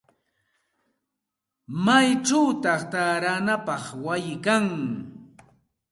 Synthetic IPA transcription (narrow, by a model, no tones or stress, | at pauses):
majʈ͡ʂawt̪ɑχt̪aɾanapɑχwajɪkaŋ